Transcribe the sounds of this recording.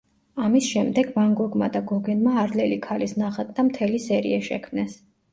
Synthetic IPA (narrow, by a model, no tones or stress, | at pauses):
amisʃɛmd̪ɛɡvaŋɡɔɡmad̪aɡɔɡɛnmaːɾlɛlikʰalisnaχat̪̚ʰʼd̪amt̪ʰɛlisɛɾḭaʃɛ̰kʰmnɛs